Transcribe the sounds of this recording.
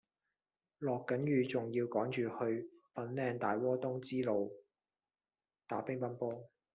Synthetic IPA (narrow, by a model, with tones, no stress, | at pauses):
lɔː˨kːɐ˨˥njyː˨t͡sʊ˨ŋjiː˧wkɔː˨˥ŋt͡ʃyː˨hɵ˧ɥfɐ˨˥nlɛː˧nt̪aː˨jwɔː˥t̪ʊ˥ŋt͡siː˥lo˨˧w | t̪aː˨˥pɪ˥ŋpɐ˥npɔː˥